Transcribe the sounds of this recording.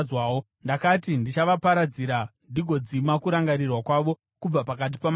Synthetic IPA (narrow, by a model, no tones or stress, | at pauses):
waːwo | ndakatindit͡ʃaʋapaɾad͡ziɾandiɡʱo̞d͡zimakuɾaŋɡaɾirwakwaʋo̞ | kub͡vapak̬at̬i̥pam